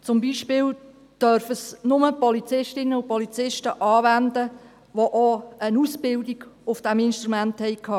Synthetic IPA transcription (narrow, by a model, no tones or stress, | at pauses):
t͡sʊmbiːʃpɪːl | d̥œɾfəsnʊməpɔlit͡sɪʃtɪnəʊpɔlit͡sɪʃtəʔɑːvændə | ʋoʔoənuːsbɪldiɡ̥ʊfd̥ɛmɪnʃtɾumænthɛɪkʰhɑː